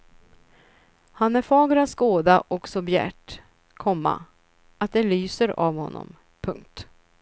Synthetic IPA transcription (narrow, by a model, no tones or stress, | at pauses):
hanæɾfɑːɡəɾat̪skoːd̪aʔɔksɔbjæ̰ʈ | kʰɔmːa̰ | at̪̚d̪ɛlyːsəɾavhɔnːɔ̰m | pʰɵŋk̚t̪